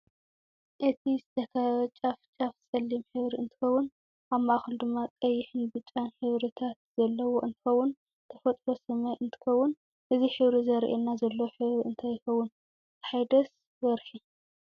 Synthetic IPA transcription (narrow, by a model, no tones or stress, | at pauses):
ʔɨt̪ʰizɨt̪ʰɐkʰɐt͡ʃʼaft͡ʃʼafsʼɐlːimħɨβɾiɨnt̪ʰɨ̥xɐwːʊn | ʔaβmaʔaxɨld̪ɨmːakʼɐjːɪħɨnbɨt͡ʃʼanħɨβɾit̪ʰat̪̚z̥ɐlːɐwoʔɨnt̪ʰɨ̥xɐwːʊn | t̪ʰɐfɐt̪ʼɾosɨmaʔɨnt̪ʰɨ̥xɐwːʊn | ʔɨziħɨβɾizɐɾʔenːazɐlːɐwoħɨβɾiɨnt̪ʰajxɐwːʊnʰ | ħajd̪ɐs | bɐɾħi